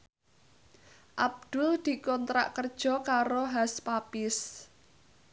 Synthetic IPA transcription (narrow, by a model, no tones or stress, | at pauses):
ʔab̚d̪̥ʊld̪̥i̤kɔnt̪ɾa̰ʔkərd̥ʒ̥ɔ̤kaɾoɦaspapɪs